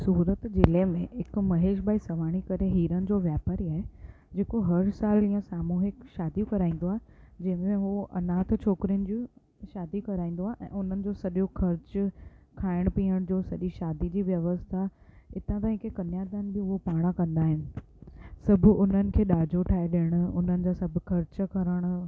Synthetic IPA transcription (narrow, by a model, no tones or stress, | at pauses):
suːɾət̪d͡ʑɪlemẽɦɪkmɐɦeːʃ̬baːisɐʋ̤aːɽ̃ikɐɾeɦiːɾənɪ̆d͡ʑoːʋjaːpəɾiaːɦe | d͡ʑeːkoɦɐɾsaːliːãsaːmuːɦɪkʃaːd̪ijõkɐɾaːĩːn̆d̪oaːɦed͡ʑɐ̃ɦɪ̃mẽɦuɐ̰naːt̪ʰt͡ɕʰoːkɾijʊnɪ̆d͡ʑi | ʃaːd̪ikɐɾaːĩːn̆d̪oaːɦeʔɛ̰̃ːʊn̤ənɪ̆d͡ʑoːsɐɗjokʰɐɾt͡ɕkʰaːɪɽ̃piːəɽ̃d͡ʑoːsɐɗiʃaːd̪id͡ʑiːʋjɐʋəst̪ʰaɪt̪ãt̪aːɦĩkʰekɐnjaːd̪aːnbɪʊɦopaːɽ̃ãkɐ̃nd̪aːɦɪnɪ̆ | sɐbʱʊʊn̤ənɪ̆kʰeːɗaːd͡ʑʱoʈʰaːɦeɗeəɽ̃ʊ̆ʊn̤ənɪ̆d͡ʑaːsɐbʱʊkʰɐɾt͡ɕkʰɐɾəɽ̃ʊ